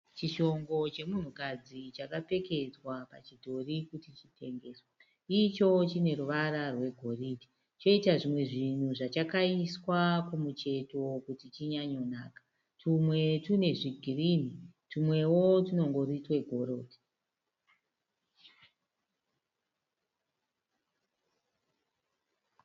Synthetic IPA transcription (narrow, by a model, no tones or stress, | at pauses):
t͡ʃiʃo̞ŋɡo̞t͡ʃe̞mun̤ukad͡zit͡ʃakape̞ke̞d͡zwapa̰t͡ʃidʱo̞rikutit͡ʃite̞ŋɡe̞ːswa | it͡ʃo̞t͡ʃine̞ɾuʋaɾarwe̞ɡʱo̞ridi̥ | t͡ʃo̞itaʐimwe̞ʐin̤uʐat͡ʃakaiswakumut͡ʃe̞to̞kutit͡ʃiɲaɲo̞naːkḁ | tʰumwe̞tune̞ʐiɡʱirimitumwe̞wotino̞ŋɡo̞ɾitwe̞ɡʱo̞ɾo̞ːdʱi̥